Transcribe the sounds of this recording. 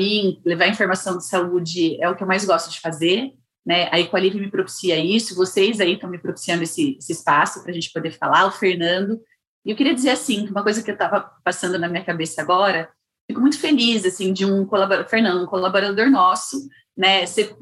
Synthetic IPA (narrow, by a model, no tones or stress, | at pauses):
mĩlevaɐĩfoɾmasɐ̃w̃d͡ʒɪsaud͡ʒɪɛʊkɪewmajzɡɔst̪ʊd͡ʒɪfazeɾ | nɛaikwalivɪmɪpɾopi̥siɐisʊvosejzait̪ɐ̃w̃mɪpɾopi̥siɐ̃nd̪ʊesɪesɪːspasʊpɾɐʒẽnt͡ʃɪ̥pod̪efa̰laʊfeɾnɐ̃nd̪ʊ | ɪewkɪɾiɐd͡ʒɪzeɾasĩkɪũmɐkojzɐkɪewt̪avɐpasɐ̃nd̪ʊnɐmĩɲɐkabesɐaɡɔɾɐ | fikʊmũj̃t̪ʊ̥felizasĩd͡ʒɪũkolaboʊfeɾnɐ̃nd̪ʊũkolaboɾad̪oɾnɔsʊ | nɛse